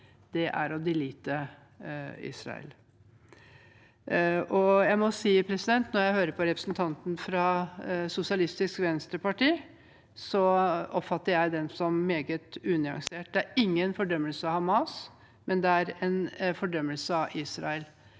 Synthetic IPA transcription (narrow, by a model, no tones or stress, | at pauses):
d̪̥ɛʔæ̰ɾɔd̪ɪliːt̪ə | ḭːsɾɑ̰ə̰l | ʔɔjæɪmɔsiːpʰɾɛsɪd̪ɛnt̪nɔɾjæɪhøːɾəpʰɔɾɛpɾəsnt̪ʰɑnt̪n̩fɾɑsʊsɪɑlɪst̪ɪskʋɛnst̪ɾəpʰɑʈiː | sɔʔɔpfɑt̪ːəɾjæɪd̪ɛnsɔmːeːɡət̪ʉːnɪɑ̰ŋseːʈ̚d̪ɛæɾɪŋːənfɔɖœmːəlsəɑhɑmɑːs | mɛnd̪ɛæɾɛnfɔɖœmːəlsəɑʔiːsɾɑ̰əl